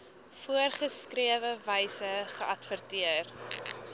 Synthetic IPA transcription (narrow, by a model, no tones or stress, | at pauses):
fuərχəskriəvəvəjsəχəʔɐtfərtiər